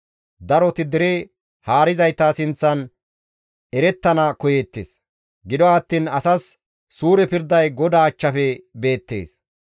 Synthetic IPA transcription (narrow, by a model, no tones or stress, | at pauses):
d̪ɐɾɔt̪ɪd̪ɛɾe | haːɾɪzɐjt̪aːsɪnt͡sːɐn | ɛɾɛt̪ːɐnɐkɔjeːt̪ːḛːs | ɡɪd̪ɔɐt̪ːiːnɐsɐsː | uːɾɛpɪɾd̪ɐjɡɔd̪aːt͡ʃːɐfɛbe̞ːt̪ːe̞̰ːs